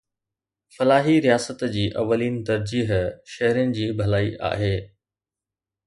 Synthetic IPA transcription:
fɐlaːɦiɾijaːsət̪d͡ʑiːʔɐ̰ʋːəliːnt̪ɐɾd͡ʑiːɦʃɐɦɾɪjənɪ̆d͡ʑiːbʱɐlaːiʔa̰ːɦeː

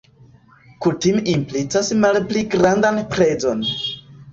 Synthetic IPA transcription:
kutimimplit͡sasmalpliɡɾandanpɾe̞zo̞n

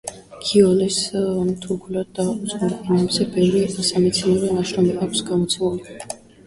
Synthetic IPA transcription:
kʰiɔlɛsmt̪ʰukʰulad̪ːausʼuɾpʼinɛbzɛbɛvɾiasamɛt̪sʰinɛɾɛnaʃɾɔmɛkʼakʷʰsɡamɔt̪sʰɛmuli

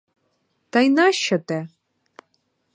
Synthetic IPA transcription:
t̪ajnaʃɐt̪ɛ

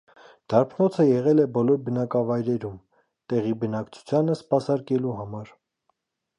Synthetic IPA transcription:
d̪̥ɑɾpʰnɔt͡sʰəjɛʁɛlɛbɔlɔɾbənɑkɑvɑjɾɛɾum | t̪ɛʁibənɑkt͡sʰu̥t͡sʰjɑnəspɑsɑɾkɛluɦɑmɑɾ

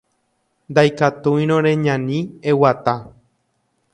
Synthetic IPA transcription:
nd̪ajkat̪uj̃ɾ̃õɾeɲãnĩewat̪a

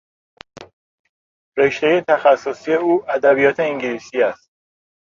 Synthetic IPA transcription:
ɾe̞ʃt̪eje̞t̪ʰæxæsːosije̞uːʔæd̪æbijɒːt̪ʰe̞iŋɟilisiːæst̪̚

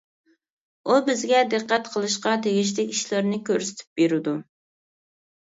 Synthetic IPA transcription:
ubɪzɡʲɛd̪ɨqːæt̪qʰəlˠɨʃqɑt̪ʰeɡʲiʃ̬lɪkʲiʃlˠɑɾnɪkʲʰøɾsɪ̥t̪ʰɪ̥p̚beɾɪd̪u

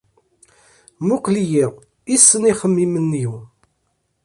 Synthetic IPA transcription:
mukʷlijiʁ | isːəniχəmːimənːju

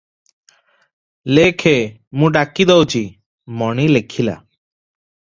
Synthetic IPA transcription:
lekʰe | mũɖakid̪ɔwt͡ʃʰi | mɔɽ̃ilekʰila̰

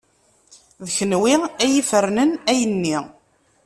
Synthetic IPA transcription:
ðəçənwiæjifəɾnənæjənːi

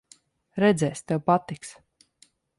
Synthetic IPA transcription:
ɾɛd̪zɛːst̪ɛwpat̪iks

